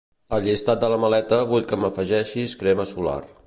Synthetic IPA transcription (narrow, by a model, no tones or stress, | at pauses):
əlʎist̪at̪̚d̪ələməlɛt̪əβuʎkəməfəʒɛʃiskɾɛməsula̰r